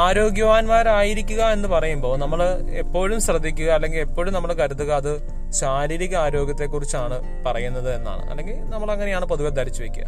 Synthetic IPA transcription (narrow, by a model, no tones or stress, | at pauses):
aːɾo̞ːɡjɐʋaːnmaːɾaːjiɾikʲːuɣɐe̞nːɨpɐrɐjumbo̞ːnɐmːɐɭ | e̞pːo̞ːɻumɕrɐd̪ʱːikʲːuɣɐːlːe̞ŋɡile̞pːo̞ːɻumnɐmːɐɭkɐɾut̪ːuɣɐːðɨ | ɕaːɾiːɾiɣɐaːɾo̞ːɡjɐt̪̬ːe̞kːurit͡ɕːaːɳɨ | pɐrɐjunːɐðɨe̞nːa̰ːɳɨ̰ʔɐ̰lːe̞ŋɡilnɐmːɐɭɐŋːɐnejaːɳɨpoðuɣɐd̪ʱɐɾit͡ɕːuʋekʲːṵɐ̰